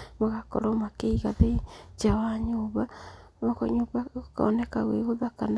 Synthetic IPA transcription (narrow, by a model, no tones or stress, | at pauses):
moɣako̰ɾomakeiɣaðet͡ʃawaɲoːβamokoɲoːβaoka̰onekaɣweɣoðakana